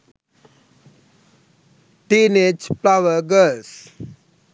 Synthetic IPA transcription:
ʈiːned͡ʒplaʋəɾɡəls

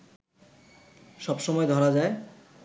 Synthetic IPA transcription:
ʃɔbʃɔmɔed̪ʱɔɾad͡ʑae

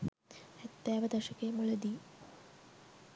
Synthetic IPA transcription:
ɛt̪ːaːʋɐd̪ɐʃɐkemuɭɐd̪i

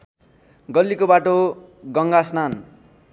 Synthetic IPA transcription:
ɡʌlːikobaʈo | ɡʌŋɡasnan

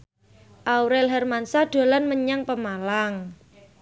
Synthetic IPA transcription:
ʔawɾɛlɦɛrmansaɖ̥o̤lanməɲaŋpəmalaŋ

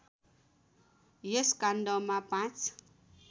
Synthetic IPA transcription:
jeskanɖʌmapãt͡sʰ

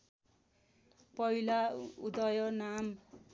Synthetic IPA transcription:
pʌilaud̪ʌjʌnam

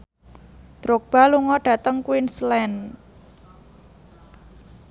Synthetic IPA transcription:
d̪̥ɾok̚b̥a̤luŋɔɖ̥ä̤t̪əŋkwinslɛn

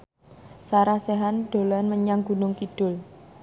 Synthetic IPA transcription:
saɾasɛɦanɖ̪̥o̤lanməɲaŋɡṳnʊŋkid̥ʊ̤l

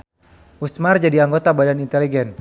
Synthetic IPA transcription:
ʔusmard͡ʒadiaŋɡot̪abadanint̪ɛliɡɛn

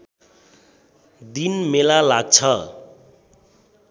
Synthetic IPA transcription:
d̪inmelalaɡ̚t͡sʰʌ

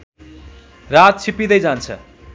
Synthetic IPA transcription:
rat̚t͡sʰipid̪ʌjd͡zant͡sʰʌ̰

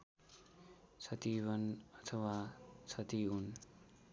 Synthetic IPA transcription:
t͡sʰʌt̪ibʌnʌt̪ʰʌwat͡sʰʌt̪iun

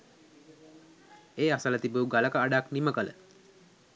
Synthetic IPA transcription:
eːasələt̪ibuuɡaləkəaɖakniməkələ̰

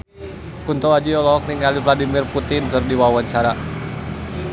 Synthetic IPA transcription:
kunt̪ɔad͡ʒiɔlɔk̚niŋkalivladimirput̪ɪnkɨrdiwawaɲt͡ʃaɾa

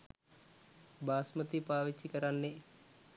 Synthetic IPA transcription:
baːsmət̪ipaːʋit͡ʃːikəɾanːe

